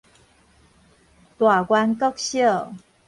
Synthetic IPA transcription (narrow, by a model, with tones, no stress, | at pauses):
t̪wa˨˩kwa˧nkɔ˦k̚ɕjə˥˩˨